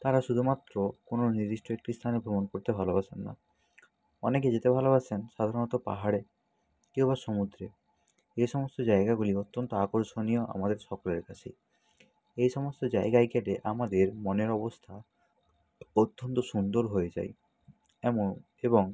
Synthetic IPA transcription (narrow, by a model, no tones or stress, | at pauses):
t̪aɾaʃud̪ʱumat̪ɾɔkononiɾisʈɾek̚ʈɾist̪ʰanebʱobɔnkoɾit̪ebʱalɔbasʰenːa̰ | ɔ̰neked͡ʒet̪ebʱalɔbasʰensad̪ʱaɾɔnɔt̪ɔpa̰ɦaɽe | kewbasomud̪ɾe | ejsɔmɔst̪ɔd͡ʒaeɡaɡuliɔt̪ːɔnt̪ɔakɔɾsonijɔʔa̰mad̪eɾsɔkɔleɾkat͡ʃʰi | ejsɔmɔst̪ɔd͡ʒaeɡajkːaʈeʔamad̪eɾmɔneɾɔbɔst̪ʰa | ot̪ːɔnt̪ɔsund̪ɔɾɦojed͡ʒa̰j | ebɔŋ